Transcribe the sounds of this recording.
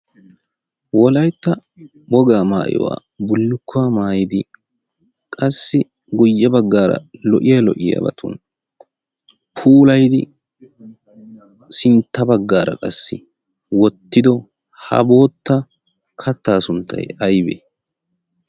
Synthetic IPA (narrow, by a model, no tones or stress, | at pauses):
wɔlɐjt̪ːɐ | bɔɡaːmaːʔɪ̰wa̰ː | bʊlːʊkːʊwaːmaːjɪd̪ɪ | kʼɐsːɪ | ɡʊjːɐbɐɡːaːɾɐ̰lɔʔɪjalɔʔɪja̰bɐ̰t̪ʰṵːn | pʰuːlɐjd̪ɪ | sɪnt̪ːɐbɐɡːaːɾɐ̰kʼɐsːɪ | wɔt̪ːɪd̪ɔ | hɐ̰bo̞ːt̪ːɐ | kʰɐt̪ːaːsʊnt̪ʰːɐ̰jɐjbeː